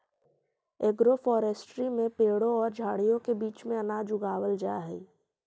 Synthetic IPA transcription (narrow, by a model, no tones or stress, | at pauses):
eːɡɾofɔːɾeːsʈɾimẽpeːɽõɔːɾd͡ʒʱaːɽijõkebiːt͡ʃmẽɐnaːd͡ʒʊɡaːwəld͡ʒaːɦɛ